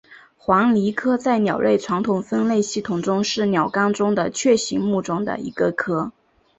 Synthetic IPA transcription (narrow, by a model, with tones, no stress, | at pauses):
xwɑ˧˥ŋli˧˥kʰɤ˥t͡sa˥˩ɪnjɑ˨˩ʊɻʔe˥˩ɪʈ͡ʂʰwa˧˥ŋt̪ʰʊ˨˩ŋfə˥nle˥˧ɪɕi˥˩t̪ʰʊ˨˩ŋʈ͡ʂʊ˥ŋʂɻ̩˥˩njɑ˨˩ʊkɑ˥ŋʈ͡ʂʊ˥ŋd̪ə˨t͡ɕʰɥɛ˥˩ɕi˧˥ŋmu˥˩ʈ͡ʂʊ˥ŋd̪ə̰˨ḭ˧˥ɡə˧kʰɤ˥